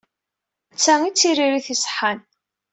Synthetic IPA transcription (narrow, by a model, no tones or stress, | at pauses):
t͡sːæŋit͡sːiriɾiθisˤħan